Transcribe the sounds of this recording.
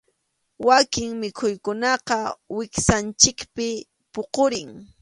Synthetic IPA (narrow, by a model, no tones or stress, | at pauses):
wakɪŋmɪkʰʊjkʊnɑqɑwɪksant͡ʃɪkpɪ | poqoɾɪŋ